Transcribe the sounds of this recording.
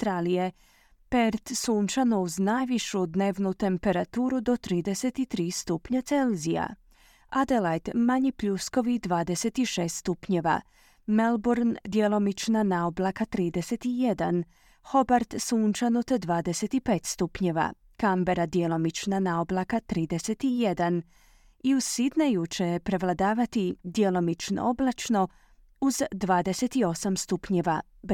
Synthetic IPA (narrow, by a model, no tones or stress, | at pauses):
t̪ɾalije | peɾt̪suːnt͡ʃanowznajʋiʃud̪neːʋnut̪e̞mpe̞ɾat̪uːɾud̪o̞t̪ɾiːd̪eset̪it̪ɾiːst̪upɲat̪selzija̰ | ad̪elajt̪maɲipʎusko̞ʋid̪ʋaːd̪eset̪iʃeːst̪st̪upɲeʋa̰ | melboɾnd̪jelo̞mit͡ʃnanaoblˠakat̪ɾiːd̪eset̪ijed̪a̰n | xo̞baɾt̪suːnt͡ʃanut̪d̪ʋaːd̪eset̪ipeːt̪st̪upɲe̞ʋa̰ | kambe̞ɾad̪jelˠo̞mit͡ʃnanaoblˠakat̪ɾiːd̪e̞set̪ijed̪an | iuzsid̪najut͡ʃepɾe̞ʋlˠad̪aːʋat̪id̪jelo̞mit͡ʃno̰oblˠat͡ʃno̞ | uzd̪ʋaːd̪ese̞t̪io̞samst̪upɲeʋa | b